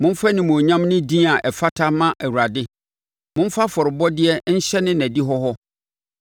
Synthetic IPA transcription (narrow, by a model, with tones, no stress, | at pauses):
mʊ̃˦m̩˦fa˦nɪ̃˨mũ˨ɲã˦mnɪ̃˦dĩ˦a˨ʔɛ˨fa˦tʰa˦mã˦ʔæ˨wu˨ɾa˨dɪ˦ | mʊ̃˦m̩˦fa˦fɔ˨ɾɪ˨bɔ˦dɪ˦ɛ˦n̩˦ɕɛ˦nɪ̃˦næ̃˨di˦ɦɔ˦ɦɔ˦